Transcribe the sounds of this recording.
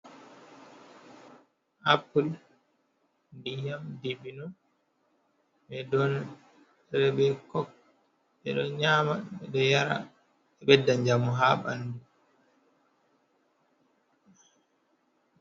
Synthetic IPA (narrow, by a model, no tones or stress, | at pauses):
ʔapːul | ndijamdiɓinɔ | ɓɛdɔn | ɾɛbɛkɔk̚ | ɓɛ̰ɗɔɲaːmaɓɛdɔjaɾa̰ | ɛɓɛdːaɲd͡ʒamuɦaɓa̰nːdu